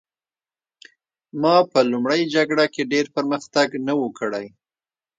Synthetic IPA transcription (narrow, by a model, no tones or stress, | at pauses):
mɑpəlumɽəjd͡ʒaɡɽakeɖeɾpəɾməxt̪aɡnawukəɽaj